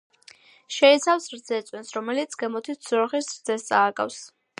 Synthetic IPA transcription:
ʃɛit̪sʰafsɾd̪z̥ɛt̪sʼwɛnsɾɔmɛlit̪sʰɡɛmɔt̪ʰiz̥ɔɾχisɾd̪zɛst̪sʼaːɡʼa̰fs

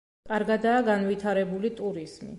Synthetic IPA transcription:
kʼaɾɡad̪aːɡanvit̪ʰaɾɛbulit̪ʼuɾiz̥mḭ

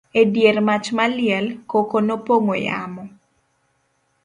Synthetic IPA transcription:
edjermat͡ʃmalɪɛlkokonopoŋoja̰mɔ

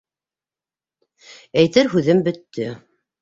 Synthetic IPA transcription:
æjt̪ɘɾɦʉðɘmbɵ̆t̪ːɵ

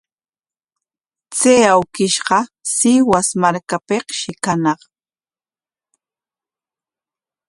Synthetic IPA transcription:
t͡seːawkɪʃɢɑsɪwasmaɾkapeqʃɪkanɑχ

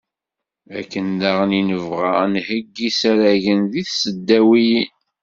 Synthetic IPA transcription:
ækːənd̪aʁninəvʁanhəɡːisæɾæʝənðiθsəd̪ːæwiji

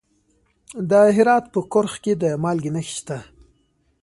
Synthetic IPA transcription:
d̪əɦɪɾɑt̪pəkʊɾxked̪əmɑlɡinəxi̥ʃt̪a

